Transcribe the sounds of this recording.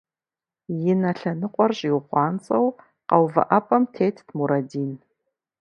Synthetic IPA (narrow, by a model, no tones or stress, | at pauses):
jɪnɐɬɐnɨqʷʼɔrɕʼiwχʷɑːnt͡sʼɐw | qɐwvɐ̰ʔɐpʼɐmtʰeːtʰdmuɾɐdiːn